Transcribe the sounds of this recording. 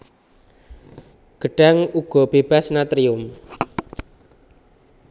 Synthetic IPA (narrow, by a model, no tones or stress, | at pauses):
ɡ̥ə̤ɖ̥a̤ŋuɡ̥ɔ̤b̥eb̥a̤snat̪ɾiʊm